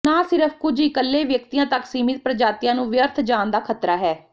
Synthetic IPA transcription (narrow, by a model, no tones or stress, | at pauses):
naːsɪɾəpʰkʊd͡ʒiːkəlːeːʋjək̚t̪ijãːt̪əksiːmɪt̪̚pɾəd͡ʒaːt̪ɪjãːnũːʋjəɾt̪ʰd͡ʒaːnd̪aːkʰət̪ɾaːɦɛː